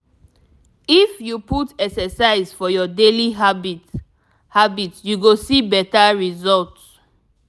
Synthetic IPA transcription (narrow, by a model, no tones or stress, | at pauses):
ifjuputɛksɛsaɪzfɔjɔdeliɦab | habitsjuɡosibɛtaɹizɔlts